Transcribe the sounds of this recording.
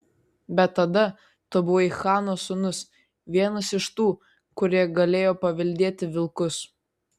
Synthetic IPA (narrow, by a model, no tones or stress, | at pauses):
bʲɛt̪ːɐd̪ɐ | t̪obʊʋoːɪxɑːnoːsʊnʊs | ʋʲiɛnɐsɪʃt̪uː | kʊɾʲiɛɡɐlʲeːjoːpɐʋʲɪlʲd̪ʲeːt̪ʲɪʋʲɪlˠkʊs